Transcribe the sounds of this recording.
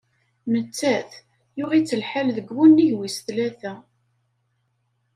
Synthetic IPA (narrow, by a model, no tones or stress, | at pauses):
mət͡sːæθ | jʊʁit͡sːəlħalðəɡwunːiʝwisθlæθæ